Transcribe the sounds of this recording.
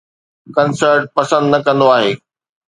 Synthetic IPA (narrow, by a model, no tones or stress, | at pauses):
kɐnsəɾʈ̚pɐsə̃nd̪nɐkɐ̃nd̪oaːɦeː